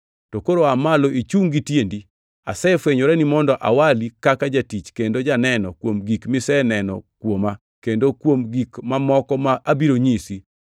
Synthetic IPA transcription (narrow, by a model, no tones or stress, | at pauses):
tɔkoɾoamaloʔit͡ʃuŋɡitjendi | a̰sɛfweɲoɾɛnimɔndɔʔa̰walikakad͡ʒatit͡ʃkendod͡ʒanɛnɔkwomɡikmisɛnɛnɔ̰kwoma | kendokwomɡikmamɔkɔmaʔabiɾoɲisi